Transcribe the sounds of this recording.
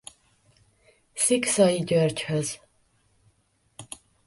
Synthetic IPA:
siksɒjiɟørchøz

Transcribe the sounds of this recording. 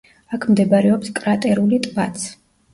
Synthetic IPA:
akʰmd̪ɛbaɾɛɔpskʼɾat̪ʼɛɾulit̪ʼbat̪sʰ

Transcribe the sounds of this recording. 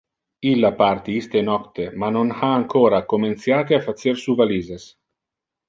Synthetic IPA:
ilːapaɾt̪iist̪enɔkt̪emanonhaːŋkoːɾakoment̪sjaːt̪eafat̪seɾsuvaliːzes

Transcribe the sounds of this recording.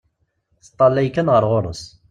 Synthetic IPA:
θə̥t̪ˤːɑlːæjkːænʁəɾʁoɾˤə̰s

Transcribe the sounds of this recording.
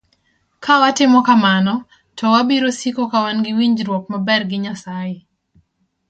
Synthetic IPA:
kʰawatɪmɔkamanɔ | tɔwabiɾosikɔkawanɡɪwiɲd͡ʒɾwɔk̚mabɛrɡɪɲasajɪ

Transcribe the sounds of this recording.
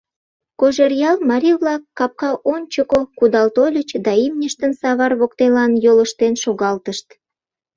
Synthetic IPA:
koʒerjɑlmɑɾʲiβlɑkːɑp̚kɑʔonʲt͡ɕəkokud̪ɑlt̪olʲət͡ɕd̪ɑimnʲəʃt̪ənsɑβɑrβokt̪elɑnjoləʃt̪enʃoɣɑlt̪əʃt̪

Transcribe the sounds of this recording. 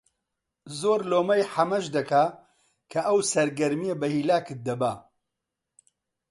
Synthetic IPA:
zoːɾloːmɐjħɐmɐʃd̪ɐkʰaː | kʰɐʔɐwsɐɾɡɐɾmijebɐhiːlaːkɨt̪̚d̪ɐba

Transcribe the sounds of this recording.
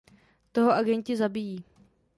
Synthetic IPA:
t̪oɦoʔaɡɛɲcɪzabijiː

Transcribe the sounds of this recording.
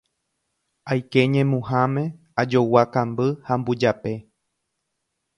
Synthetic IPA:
ajke̞ɲẽ̞mũhãmẽ̞ | ad͡ʒowakãmbɨhambud͡ʒape̞

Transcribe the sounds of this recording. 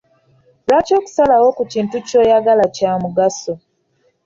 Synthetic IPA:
laːco̞ːku̥salawo̞kuciːntuco̞jaɡalacaːmuɡaso

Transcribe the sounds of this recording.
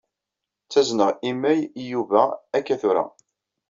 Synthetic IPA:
t͡sːæznəʁimːæjjuvæækːæθʊɾa̰

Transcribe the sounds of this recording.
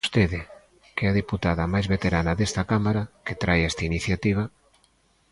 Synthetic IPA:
st̪eðɪ | kɛɐðiput̪aðɐmajzβet̪eɾanaðest̪akamaɾaket̪ɾajɛst̪ainiθjat̪iβ̞ɐ

